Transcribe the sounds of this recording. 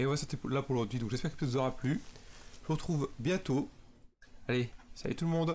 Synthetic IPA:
eɔ̃vasɑ̃t̪elapuʁəʒɔʁd̪ɥid̪ɔ̃kʒɛspɛʁkə̥pət̪ɛt̪vuzɔʁaplyʒuʁət̪χuvbjɛ̃t̪o | alesa̰jḛt̪ulmɔ̃d̪

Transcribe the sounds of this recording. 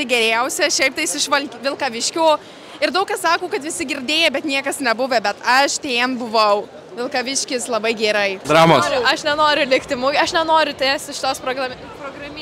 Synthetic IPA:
tʲɪɡʲɛɾʲɛʊsʲɛʃʲɛɪp̚t̪ɐɪsʲɪʃʋɐlʲkʲːʋʲɪlˠkɐʋʲɪʃʲkʲoː | ɪɾd̪ɐʊkɐssɑːkoːkɐt̪ʋʲɪsʲɪɡʲɪɾʲd̪ʲeːjɛbʲɛt̪nʲiɛkɐsnʲɛbʊʋʲɛbʲɛt̪ɐʃt̪ʲeːnbʊʋɐʊ | ʋʲɪlˠkɐʋʲɪʃʲkʲɪslˠɐbɐɪɡʲɛːɾɐɪd̪ɾɑːmoːsʊɐʃnʲɛnoːɾʲʊlʲɪkt̪ʲɪmʊjɐʃnʲɛnoːɾʲʊt̪ʲæːst̪ɪʃʲɪt̪oːspɾoːɡrɐm | proːɡrɐmʲː

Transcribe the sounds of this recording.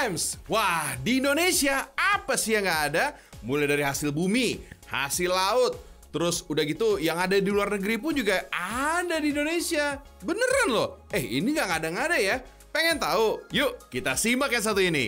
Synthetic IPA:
mswahdiːndonesiaapasɪjaŋɡaːda | mulajdaɾiɦasɪlbumiha̰sɪlːaʊt̪̚ː | əɾʊsudahɡit̪ujaŋadadiluarnəɡəɾip̬ʊnd͡ʒuɡaadadiːndonesia | bənəɾanlɔhɛhḭniŋɡakadaŋadaja | peŋɛnt̪aujuʔkit̪asimbakjas̬at̪uinḭ

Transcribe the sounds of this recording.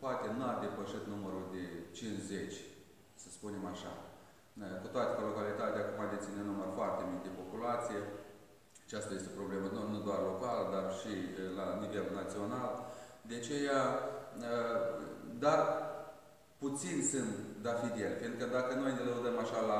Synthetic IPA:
poat̪e̞nuad̪e̞pəʃit̪numəɾud̪e̞t͡ʃinʃze̞t͡ʃʲ | səspune̞maʃa̰ | kut̪oat̪ekəlo̞kalit̪at̪ʲeakumad̪et̪sʲinenumərfoart̪e̞mik̚d̪e̞po̞pulat̪sije̞ | at͡ʃast̪aje̞s̬t̪e̞pɾo̞ble̞mənonud̪oarlo̞kaləd̪arʃilanive̞lnat̪sio̞nald̪eat͡ʃe̞jaə | d̪ar | put̪sinʲsɨnt̪d̪afid̪ʲelʲfinkəd̪akəno̞jneləud̪əmaʃala

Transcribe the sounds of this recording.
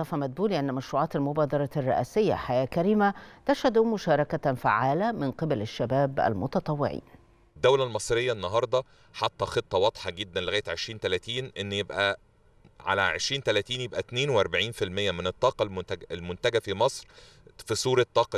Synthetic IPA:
ɑfɑmæd̪̚buːliʔanːmæʃɾuːʕɑːt̪ɪlmʊbɑːd̪ɑɾˤɑrˤːɑʔæːsɪjːæ̰ħajæːkæɾiːmat̪æʃhæd̪uːmʊʃɑːɾˤɑkafa̰ʕaːlæmɪnqebælɪʃːæbæːbʔæ̰lmʊt̪ɑt̪ˤɑwːɪ̰ʕḭːn | d̪ːæwlælmɑsˤɾejːænːɑɦɑɾˤd̪ˤɑ | ħɑt̪ˤːɑxet̪ˤːɑwɑd̪ˤħɑɡed̪ːænleɪɣæːjet̪ʕeʃɾiːnt̪ælæt̪iːnʔenːjebʔæ | ʕa̰læʕḛʃɾiːnt̪ælæt̪iːnjebʔæt̪neːnweʔɑɾˤbaʕiːnfilmejːæmɪnet̪ˤːɑːqɑllmʊnt̪æɡæfimɑsˤɾ | fisˤuːɾet̪ˤːɑːqɑ

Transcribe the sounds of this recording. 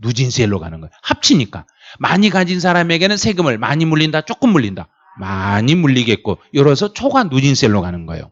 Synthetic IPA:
nud͡ʑinsʰeɭːoɡa̰nɯnɡʌjohap̚t͡ɕʰiɲik͈a | maɲiɡad͡ʑins̬ʰaɾame̞ɡe̞nɯnsʰe̞ɡɯmɯɭma̰ɲimuʎːindat͡ɕ͈ok͈ɯmːuʎːinda | maɲimuʎːiɡe̞t̚k͈ojʌɾʌs̬ʰʌt͡ɕʰoɡanːud͡ʑinsʰeɭːokanɯnɡʌ̰jo̰

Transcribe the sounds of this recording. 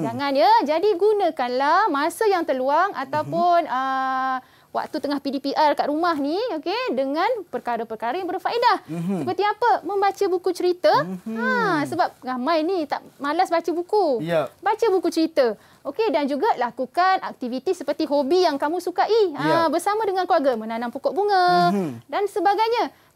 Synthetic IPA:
d͡ʒaŋanjəd͡ʒadiɡunə̃kanlahmasəjaŋt̪ərluaŋat̪awpʊnə | wa̰k̚t̪ut̪əŋahpidipiʔarkaʔrumaɦniokedəŋãnpərkaɾəpərkaɾajaŋbərfaidahəpərt̪iapəmə̃mbat͡ʃəbukut͡ʃəɾit̪əasəbap̚ɡamãjnit̪a̰ʔmalasbat͡ʃəbukujbat͡ʃəbukut͡ʃəɾit̪ə | okedand͡ʒuɡalakukanak̚t̪ivit̪isəpərt̪iɦobijaŋkamũsukaʔiəbərsamãdəŋanklarɡamə̃nanaŋpukɔʔbuŋədansəbaɡajɲa

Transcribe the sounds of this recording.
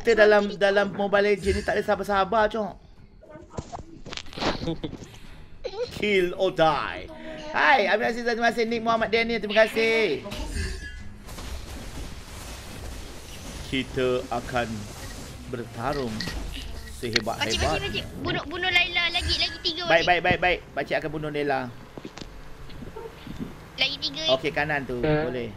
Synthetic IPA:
ki̥t̪ədalamdalammobaled͡ʒənit̪aʔdəsaɦabasaɦabat͡ʃɔʔ | kʰilodajhajamikas̬it̪aimkasɪnik̚muɦamat̪̚dɛnĩt̪ɾiməkasɪh | kʰit̪əakan | bərt̪aɾʊŋ | səɦeba̰t̪̚hajbabunʊbunʊlailalaɡilaɡit̪iɡəbaikbaik̚baik̚baɪʔ̚bat͡ʃiakanbunʊlaila | laɡit̪iɡəokekanant̪ubolɛh

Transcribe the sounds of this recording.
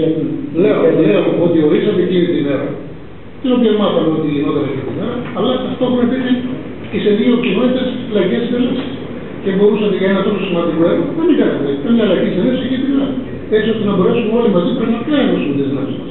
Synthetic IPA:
leoleooot̪ioisɐt̪ecinit̪imeɾɐ̰ | t̪enobʝevmɐt̪ɐneot̪iinot̪ɐnecint̪imeɾɐɐlɐɐft̪opuepisi | iseðiocino̞t̪it̪ɐslɐʝesitelɐsi̥s | cebo̞ɾusɐnɐt̪ikɐnenɐt̪o̞sosimɐnd̪ikoeɾoðemiɡɐnɐt̪eik̪ɐmɲɐːlɐʝit̪seniosicep̪ikɐ | esio̞st̪enɐbo̞ɾe̞sumeolimɐzipɾenɐpɐenosumet̪einɐmsmɐs

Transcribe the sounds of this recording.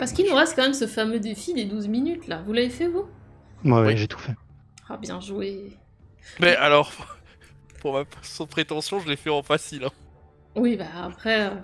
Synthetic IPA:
paʁsə̥kilnuʁɛst̪̚kɑ̃mɛmsəfamød̪efid̪ed̪uzminyt̪lavulavefɛvu | mwawiʒet̪ʰu̥fɛ | abjɛ̃ʒue | mɛalɔʁ | puʁmapasjɔ̃d̪əpχet̪ɑ̃sjɔ̃ʒəlɛfɛɑ̃pasilɛ̃ | wibaːpχɛø

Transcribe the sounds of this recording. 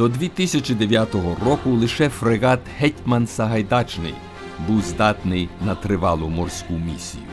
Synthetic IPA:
d̪̥ɔd̪ʋʲit̪ɪsʲɐt͡ʃɪd̪eʋʲjat̪ɔɦɔrɔkʊlˠɪʃɛfɾeɣɑt̪hɛtʲmɐnsɐɦɐjd̪ɑt͡ʃnɪ̰j | buwzd̪ɑt̪nɪjnɐt̪ɾɪʋɑlˠʊmɔrsʲkumʲisʲḭjʊ

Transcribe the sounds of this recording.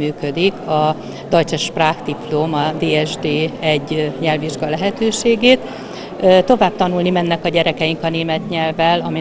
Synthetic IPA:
yːkød̪ikʰɒ | d̪ɒjt͡ʃɛʃpraːxt̪iplomɒd̪eːɛʒd̪eːɛɟːɲɛlviʒɡɒlɛɦɛt̪øːʃeːɡeːt̪ː | t̪o̞vaːb̥̚t̪ɒnulnimɛnːɛkɒɟɛɾɛkɛjiŋkɒneːmɛt̪ɲɛlvɛlɒmi

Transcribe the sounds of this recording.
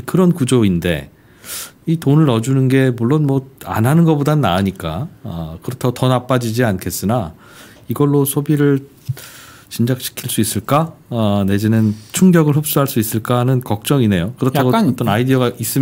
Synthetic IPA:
kɯɾʌnkud͡ʑoinde̞̰ | itonɯɾʌd͡ʑunɯnɡe̞muɭːonmwʌa̰nɦanɯnɡʌbodanːaaɲik͈a̰ʌkɯɾʌtʰaɡotʌnap͈ad͡ʑid͡ʑiankʰe̞s͈ɯna | iɡʌɭːosʰobiɾɯɭ | t͡ɕind͡ʑak̚ɕʰi̥kʰiɭs͈uis͈ɯɭk͈ane̞d͡ʑinɯnt͡ɕʰuŋɡjʌɡɯɭɦop̚s͈uɦaɭs͈uis͈ɯɭk͈aɦanɯnkʌk̚t͡ɕ͈ʌŋine̞jokɯɾʌtʰaɡot͈ʌnaidiʌɡaʔis͈ɯm

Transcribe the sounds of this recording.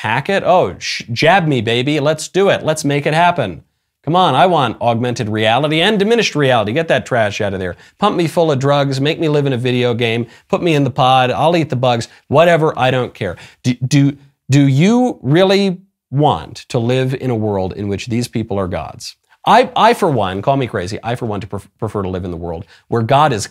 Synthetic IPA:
pʰækɨɾoʊʃd͡ʒæb̚mibeɪbilətsd̥ɨɪtˡlətsmeɪkɨt̚hæpɨ̃n | kʰʌ̃mə̃naɪwɑ̃ntɔɡ̚mɛ̃ntɨd̚ɹiælˠəɾiɨ̃ndɨmɪ̃ñɨʃt̚ɹiælˠəɾiɡɛt̪̚ðɨtʰɹ̥æʃaʊɾʌvðə̰˞ | pʰʌ̃mp̚mifʊlˠʌvdɹʌɡzmeɪk̚milɪvɨ̃ñɨvɪɾioʊɡẽɪ̃m | pʰʊt̚miɨ̃nðəpʰɑɾa̰ɪlˠit̪̚ðəbʌɡz̥ | wʌɾɛvə˞ʔa̰ɪɾõʊ̃nkʰɛɹd̥ɨdɨ | dɨjɨɹɪlˠi | wɑ̰̃ntʰəlɪvɪ̰̃ɾ̃əwɜ˞lˠdɪ̰̃nwɨt͡ʃðiz̥pʰipl̩ˠə˞ɡɑ̰dz̥ | ʔaɪaɪfə˞wʌ̰̃nkʰɔlˠmikʰɹ̥eɪzḭʔaɪfə˞wɑ̃ntʰə̥pʰɹ̥ɨfɜ˞ɾəlɪvɨ̃nðə̰wɜ̰˞lˠd̚ | wə˞ɡɑɾɨz̥

